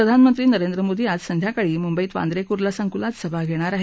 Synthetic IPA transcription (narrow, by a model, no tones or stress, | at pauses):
ɾəd̪ʱanmənt̪ɾiːnəɾend̪ɾəmod̪ʱiːad͡zsənd̪ʱjakaɭiːmumbəit̪ʋa̰nd̪ɾekuɾlasəŋɡulad͡zsəbʱaɡʱeɽ̃aɾaɦe